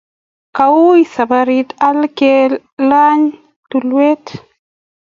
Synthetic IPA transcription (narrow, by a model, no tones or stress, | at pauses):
kawuisabaɾitalke | laɲ | tulwet